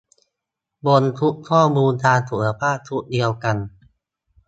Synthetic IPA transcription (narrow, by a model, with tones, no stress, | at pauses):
bo˧nt̪ʰu˦˥ʔkʰɔː˥˩muː˧ntaː˧nt̪ʰu˩˦˧pʰaː˥˩t̪ʰu˦˥ʔ̚di˧əwka˧n